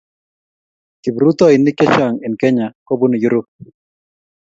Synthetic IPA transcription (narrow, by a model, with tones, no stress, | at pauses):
ki˨bɾu˦t̪ɔ˦ɪ˨nɪ˦kɛ˦t͡ʃa˨ŋɪ˨nkɛ˦ɲa˨kɔ˦bu˦n˨ju˦ɾu˦